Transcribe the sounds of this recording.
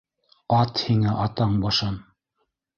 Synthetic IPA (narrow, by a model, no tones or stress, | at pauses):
ɑt̪hiŋæʔɑt̪ɑɴbɑʃɑn